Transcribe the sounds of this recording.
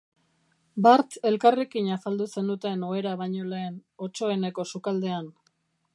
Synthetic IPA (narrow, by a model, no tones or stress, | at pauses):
baɾt͡se̞lkarekiɲasald̪use̞nd̪ut̪e̞no̞e̞ɾaβajɲo̞le̞ːno̞t͡ʃo̞e̞ne̞ko̞sukald̪e̞an